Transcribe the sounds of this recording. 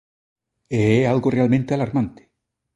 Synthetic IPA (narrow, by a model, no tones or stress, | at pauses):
eealɣorealmẽnt̪ealaɾmãnt̪e̥